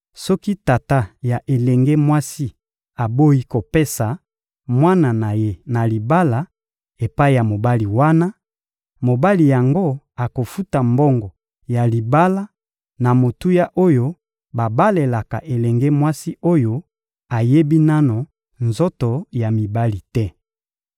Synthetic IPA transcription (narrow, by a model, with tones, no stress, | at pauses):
sɔ˦ki˦ta˨ta˦ja˨ʔe˨lɛ˨ŋɡe˦mwa˦si˦ | a˨bo˦i˦ko˨pe˦sa˨ | mwa˦na˨na˨je˦na˨li˨ba˦la˦ | e˨pa˦i˨ja˨mo˨ba˦li˨wa˦na˦ | mo˨ba˦li˨ja˨ŋɡo˦ | a˨ko˨fu˦ta˨mbo˦ŋɡɔ˨ | ja˨li˨ba˦la˦ | na˨mo˨tu˦ja˦ʔo˦jo˦ | ba˨ba˦le˨la˨ka̰˨ʔe˨lɛ˨ŋɡɛ˦mwa˦si˦o˦jo˦ | a˨je˦bi˦na˦no˨ | nzo˦to˨ja˨mi˨ba˦li˨tɛ˦